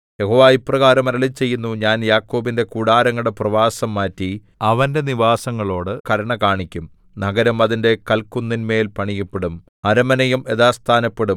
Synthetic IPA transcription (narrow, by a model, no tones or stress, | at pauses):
jeɦoːʋaːjipːrɐɣaːɾɐmɐɾɐlit͡ɕe̞jːunːuɲaːnjaːkːo̞ːbinde̞kuːɽaːɾɐŋːɐɭɽe̞prɐʋaːsɐmːaːtːi | ɐʋɐnde̞niʋaːsɐŋːɐɭo̞ːɽɨkɐɾɐɳɐkaːɳikʲːum | nɐɡɐɾɐmɐðinde̞kɐlkunːinme̞ːlpɐɳijɐpːeɽum | ɐɾɐmɐnɐjume̞ðaːst̪ʰaːnɐpːeɽum